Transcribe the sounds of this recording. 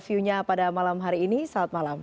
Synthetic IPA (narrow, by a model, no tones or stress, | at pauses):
fiuɲapadamalamɦaɾiːnisaːt̪̚malam